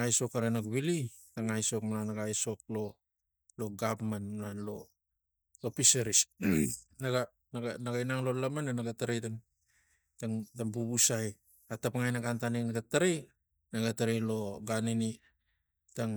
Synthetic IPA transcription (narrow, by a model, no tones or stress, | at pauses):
ajso̞kaɾenakβili | taŋajso̞kmananaɡajso̞k̚lo̞ | lo̞ɡabmanmunanlo̞ | lo̞piseɾis | naɡa | naɡanaɡainaŋlo̞lamanenaɡataɾejtaŋ | taŋtaŋbuβusaj | atapaŋajnaɡantaninaɡataɾej | naɡataɾejlo̞ɡanini | taŋ